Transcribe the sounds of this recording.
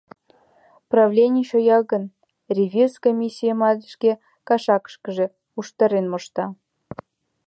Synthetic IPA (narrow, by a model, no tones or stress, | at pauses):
prɑvlʲenʲiʃojɑɣə̆n | rʲevʲirskomʲisʲːijəmɑlʲəʃke | kɑʃɑkə̥ʃkə̆ʒĕ | uʃt̪ɑɾenmoʃt̪ɑ